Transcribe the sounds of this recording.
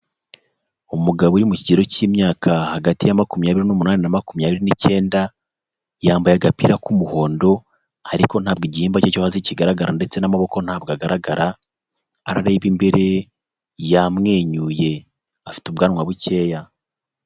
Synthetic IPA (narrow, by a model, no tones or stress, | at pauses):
omuɡaβuɾimuciɟeɾo̞cimɲaːkʰahaɡatijamakumjaːβiɾinomunaːnenamakumjaːβiɾinice̞ːnda | jaːmbajaɡapiɾakumuho̞ːndo̞ | aɾiko̞n̥haːb̚ɡeɟihiːmbacecohaziciɡaɾaɡaɾande̞t͡se̞namaβo̞ko̞n̥haːb̚ɡaɡaɾaɡaɾaː | ɾa̰ɾe̞ːβimbe̞ɾe̞ | jamŋe̞ːɲuːje̞ | afi̥tubɡaːnŋwaβuce̞ːja